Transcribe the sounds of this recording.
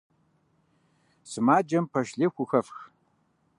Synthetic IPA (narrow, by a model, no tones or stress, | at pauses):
sɨmaːd͡ʒɐmpʰɐʃɮexʷʊxɐfx